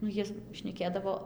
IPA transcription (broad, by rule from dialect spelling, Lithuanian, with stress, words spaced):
nʊ ˈjiɛ ʃʲnʲɛˈkʲeːdɐʋoː